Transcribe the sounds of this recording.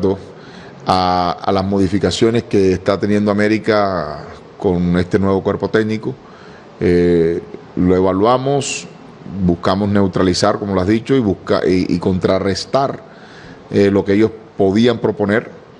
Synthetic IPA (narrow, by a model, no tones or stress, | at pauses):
d̪o | aa̰lasmo̞ðifikasjo̞ne̞ske̞ːst̪at̪e̞njend̪oame̞ɾika | ko̞ne̞st̪e̞nwe̞βokwe̞ɾpo̞t̪eɡniko̞ | e | loe̞βalwamo̞s | buskamo̞sne̞wt̪ɾalisaɾko̞moloazðit͡ʃo̞iβuhka̰iḭko̞nt̪ɾare̞st̪aɾ | elo̞keeʝo̞spo̞ðiampɾo̞po̞neɾ